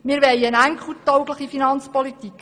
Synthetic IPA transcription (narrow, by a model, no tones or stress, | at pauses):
miːɾʋɛjənæŋkχutɔʊɡləχifinɑnt͡spɔlitik